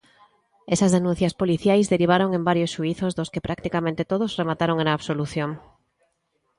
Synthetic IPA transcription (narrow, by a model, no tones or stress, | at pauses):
esɐzðenũn̟θjɐspoliθjajzðeɾiβ̞aɾoŋẽmbaɾjosʃuiθozðoskepɾʔak̚t̪ikamẽnt̪et̪oð̞osremat̪aɾoŋenaːβsoluθjoŋ